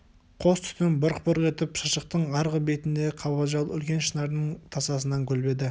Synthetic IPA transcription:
qʰo̞st̪ʰʏ̥t̪ɪnbʊɾqpʊɾəʁe̞t̪ɪpʃəʃəq̚t̪əɴɑɾʁəbe̞t̪ɪnd̪e̞qʰɑβɑʒɑlˠʏlkʲe̞nʃənɑɾd̪əɴt̪ʰɑsɑsənɑŋkʲʰɵlbe̞d̪ɪ

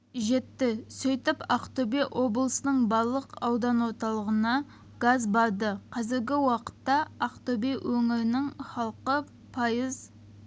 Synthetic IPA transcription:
ʒe̞t̪ːɪsɵjt̪ɪpɑqt̪obeʔo̞blˠəsənəɴbɑɾlˠəqɑwd̪ɑnwo̞ɾt̪ɑlˠəʁənɑ | ɡ̥azbɑɾd̪əqʰɑzɪɾɡʲɪwɑqə̥t̪ːɑɑqt̪obewʔɵŋɪɾɪnɪŋχɑlˠqə | pʰɑjəz

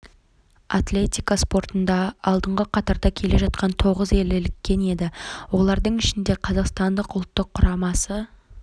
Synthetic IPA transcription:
at̪lʲe̞t̪ʲijkaspo̞ɾt̪ənd̪ɑɑlˠd̪əɴʁəqʰɑt̪ɑɾd̪ɑkʲʰe̞le̞ʒɑt̪̚qɑnt̪ʰo̞ʁəze̞lɪlɪkʲːe̞ne̞d̪ɪwo̞lˠɑɾd̪əɴɪʃɪnd̪eqʰɑzɑqst̪ɑnd̪əqʊlˠt̪ːəqʰːʊɾɑmɑsə

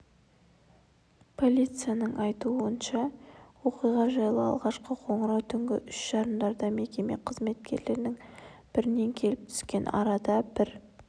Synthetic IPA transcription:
pʰo̞lʲijt̪sɨjanəɴɑjt̪uənʃɑwo̞qijʁɑʒɑjlˠəɑ̰lˠʁɑʃqəqʰo̞ɴəɾɑwt̪ʰʏŋɡʲɪʔʏʃʒ̥ɑɾəmd̪ɑɾd̪ɑme̞kʲe̞me̞̰qʰəzme̞t̪̚kʲʰe̞ɾle̞ɾnɪŋb̥ɪɾɪne̞ŋkʲʰe̞lɪp̚t̪ʰʏ̥skʲe̞nʔɑ̰ɾɑd̪ɑbɪɾ

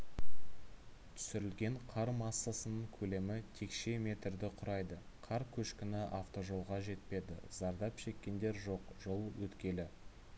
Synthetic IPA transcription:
t̪ʰʏ̥sɪɾɪlɡʲe̞ɴqʰɑɾmɑsːɑsənəɴkʲʰɵle̞mɪt̪ʰe̞kʃe̞me̞t̪ɾd̪ɪqʰʊɾɑjd̪ə | qʰɑɾkʲʰɵʃkʲɪnɪʔaft̪o̞ʒo̞lˠʁɑʒe̞t̪̚pe̞d̪ɪ̰z̥ɑɾd̪ɑpʃe̞kʲːe̞nd̪e̞ɾʒo̞qʒ̥o̞lˠwɵt̪kʲe̞lɪ

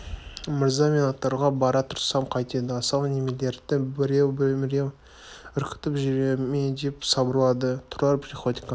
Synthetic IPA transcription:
mɪɾzɑmenɑt̪ːɑɾʁɑbɑɾɑt̪ʰʊɾsɑmqʰɑjt̪ed̪əɑsɑlne̞me̞le̞ɾd̪ɪbɪɾewbɪmɪɾe̞w | ʏɾkʲɪ̥t̪ɪpʒʏɾemed̪e̞psɑbəɾlˠɑd̪ət̪ʰʊɾlˠɑɾpsʲiχo̞t̪ʲi̥kɑ

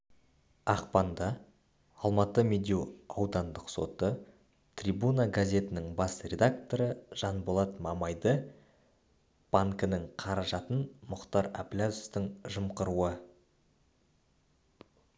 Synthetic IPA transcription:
ɑqpɑnd̪ɑː | lˠmɑt̪əmed̪ʲiwɑwd̪ɑnd̪əqso̞̰t̪ə | t̪ʰrʲibunaɡazʲe̞t̪ɪnɪŋbɑsrʲe̞d̪ak̚t̪o̞ɾəʒ̥ɑnbolˠɑt̪mɑmɑjd̪ə | b̥aŋkənəŋqʰɑɾɑʒɑt̪ənmʊqt̪ɑɾa̰plʲazoft̪ɪŋʒəmqəɾuə

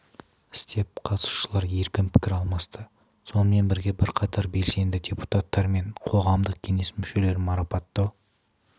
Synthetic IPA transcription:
ɪ̥st̪e̞p̚qʰɑt̪ə̥su̥ʃəlˠɑɾje̞ɾkʲɪmpʰɪ̥kʲɪɾɑlˠmɑst̪ə | so̞nəme̞nbɪɾɡʲe̞bɪɾqʰɑt̪ʰɑɾbe̞lse̞nd̪ɪdʲepu̥t̪ɑt̪ːɑɾme̞ɴqʰo̞ʁɑmd̪əq̚kʲʰe̞ne̞smʏʃe̞le̞ɾmɑɾɑpɑt̪ːə

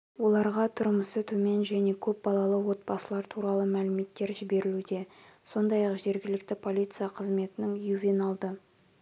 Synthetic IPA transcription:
wo̞lˠɑɾʁɑt̪ʰʊɾməsət̪ʰɵme̞nʒæne̞kʲʰɵp̚bɑlˠɑlˠəwo̞t̪̚bɑsəlˠɑɾt̪ʰuɾɑlˠəmælɪme̞t̪ːe̞ɾʒɪbe̞ɾɪlud̪e̞so̞nd̪ɑjɑqʒe̞ɾɡʲɪlɪkt̪ɪpʰo̞lʲˠit̪sɨjaqʰəzme̞t̪ɪnɪŋjuvenɑlˠd̪ə

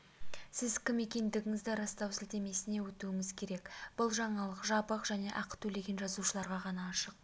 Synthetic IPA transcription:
sɪzkʲɪme̞kʲe̞nd̪ɪɡʲɪŋɪzd̪ɪɾɑst̪ɑwsɪlt̪e̞me̞sɪne̞wɵt̪uɪŋɪzkʲʰe̞ɾe̞kb̥ʊlˠʒɑɴɑlˠəqʒɑbəqʒæne̞ʔɑqt̪ʰɵle̞ɡʲe̞nʒɑzuʃəlˠɑɾʁɑʁɑnɑːʃəq̚

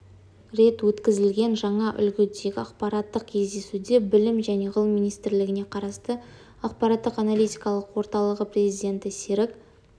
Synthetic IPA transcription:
ɾe̞t̪wɵt̪kʲɪzɪlɡʲe̞nʒɑɴɑʔʏ̰lɡʲɪd̪eɡʲɪaqpɑɾɑt̪ːəq̚kʲʰe̞zd̪e̞sud̪e̞bɪlɪmʒæne̞ʁəlˠmːinijst̪ɪɾlɪɡʲɪne̞qʰɑɾɑst̪ə | ɑq̚pɑɾaɑt̪ːəqanalijt̪ʲijkɑlˠəqwo̞ɾt̪ɑlˠəʁəpɾʲezid̪e̞nt̪ɪseɾɪk

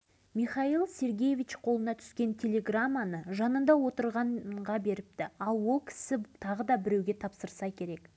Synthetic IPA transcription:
mijχɑilˠsʲe̞ɾɡʲe̞je̞vʲit͡ʃqʰo̞lˠənɑt̪ʰʏ̥skʲe̞nt̪ʲʰe̞lʲe̞ɡramːanəʒɑnənd̪ɑwo̞t̪əɾʁɑɴʁɑbe̞ɾɪp̚t̪ɪɑlˠwo̞lˠkʲʰɪ̥sɪt̪ʰɑʁəd̪ɑbɪɾewɡʲe̞t̪ʰɑpsəɾsɑkʲʰe̞ɾe̞k

